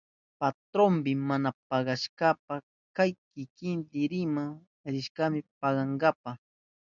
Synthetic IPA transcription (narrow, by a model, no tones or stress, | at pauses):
pat̪ɾompɪmanapɑɢɑʃkapa | kajkɪkɪnd̪ɪɾɪmaŋ | ɾɪʃkamɪpɑɢɑŋɡapɑχ